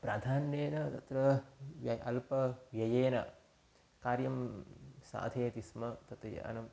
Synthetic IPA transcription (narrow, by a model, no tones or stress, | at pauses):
pɾaːd̪ʱaːnjeːnɐt̪ɐt̪ɾɐʋjɐɐ̰lpɐʋjɐjeːnɐ̰ | kaːɾjɐmsa̰ːd̪ʱeːt̪ismɐt̪ɐt̪ɐjɐ̰ɐ̰nɐm